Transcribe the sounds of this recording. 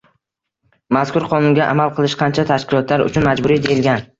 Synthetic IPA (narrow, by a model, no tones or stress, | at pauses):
maskʰʊɾqʰɒnʊŋɡʲaʔa̰malˠqʰɨlˠɪʃqʰɑnt͡ʃʰat̪ʰaʃkʲɪlˠɒt̪laɾʊ̰t͡ʃʰʊnmad͡ʒbʊɾid̪ejɪlɡʲan